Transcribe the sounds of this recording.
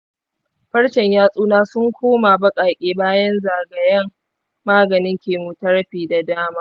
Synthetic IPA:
ɸɐ˦ɽʃɛ˨ɲjaː˦sʼuː˦naː˦sʊ˦ŋkʷoː˦ma˨bɐ˦kʼaː˨kʲʼeː˦baː˦jɐ˦nzaː˨ɡɐ˨jɐ˦ŋ | maː˦ɡɐ˨nɪ˦ŋkʲeː˨muː˨tɐ˦ɽɸiː˨da˨daː˦maː˦

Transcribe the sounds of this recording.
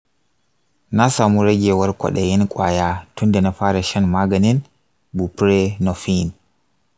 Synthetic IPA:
na˦saː˨muɾɛ˦ɡɛwa˦ɾkɔ̰˨ɗɛji˦nkʼwa̰ː˨jatu˦ndɛna˨faː˦ɾɛʃa˦nma˦ɡani˦n | bu˨pɾɛnɔ˨fin

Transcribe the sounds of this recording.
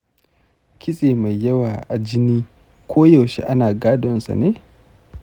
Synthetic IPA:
kʲʰɪ˦sʼeː˨ma˨jːɐ˦waː˨ʔa˨d͡ʒɪ˦niː˦ | kʷʰoː˦jɐ˨wʃḛ˨ʔa˦naː˨ɡaː˦dɔ˨nsa̰˨neː˦

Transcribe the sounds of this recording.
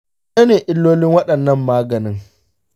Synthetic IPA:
e˦neː˨ʔɪ˦lːoː˦lɪ˦ŋwɐ˦ɗɐ˨nːɐ˦˨mːaː˦ɡɐ˨nɪ˦ŋ

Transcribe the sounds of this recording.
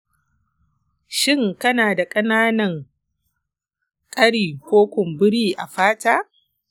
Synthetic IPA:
ʃɪ˦ŋkɐ˦naː˨da˨kʼɐ˦naː˦nɐ˦˨ŋ | kʼɐ˦ɽiː˨kʷoː˦kʷʊ˨mbʊ˦ɽiː˦ʔa̰˨ɸaː˦taː˦

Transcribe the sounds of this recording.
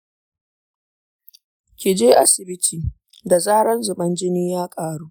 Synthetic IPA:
kʲɪ˨d͡ʒeː˦ʔa˦sɪ˨bɪ˦tʰiː˨ | da˨zaː˦ɽɐ˦nzʊ˨ɓɐ˦nd͡ʒɪ˦niː˦jaː˦kʼaː˨ɽuː˦ʔ

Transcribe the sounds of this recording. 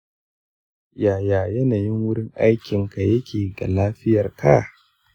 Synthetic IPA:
jaː˨jaː˨jɐ˦naː˨jɪ˦ŋwʊ˦ɽɪ˦ŋʔa˦jkʲɪ˨ŋka˨jɐ˦kʲʰeː˨ɡa̰˨laː˦ɸɪ˦jɐ˨rkʰa̰˦˨

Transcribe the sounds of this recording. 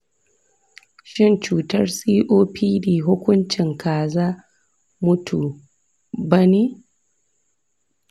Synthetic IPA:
ʃɪ˦˨nt͡ʃuː˨tɐ˦rsʼiː˦ʔoː˦pʰiː˦diː˨ɦʊ˦kʷʊ˦nt͡ʃɪ˨ŋkaː˨zaː˦ | mʊ˦tʰu˨ | bɐ˦niː˦

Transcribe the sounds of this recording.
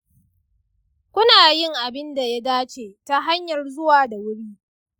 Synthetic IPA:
kʷʊ˦naː˨jɪ˦ŋʔa˨bɪ˦nda˨ja˦daː˦t͡ʃeː˨ta˦ɦa˦ɲjɐ˨rzʊ˦waː˨da˨wʊ˦ɽiː˦

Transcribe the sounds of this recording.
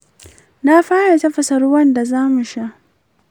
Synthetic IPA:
na˦ɸaː˦ja˨ta˦ɸɐ˨sɐ˨ɾu˦wɐ˦nda˨zaː˦mʊ˨ʃa˦

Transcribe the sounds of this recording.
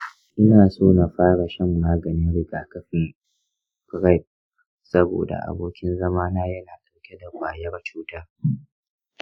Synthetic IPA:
ʔɪ˦naː˨soː˦na˨ɸaː˦ɽa˨ʃɪ˦mːaː˦ɡɐ˨nɪ˦nɽɪ˨ɡaː˨kɐ˦ɸɪ˨ŋ | kɾa˦˨p̚ | sɐ˦bo̰ː˨da̰˨ʔa̰˨boː˦kʲɪ˦nzɐ˦maː˦naː˦jɐ˦naː˨dɐ˨wkʲe˦da˨kʷaː˨jɐ˦rt͡ʃuː˦ta˦

